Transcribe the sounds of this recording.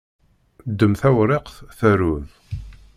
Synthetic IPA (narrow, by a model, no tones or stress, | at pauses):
d̪ːəmθæwɾeqθθæɾuð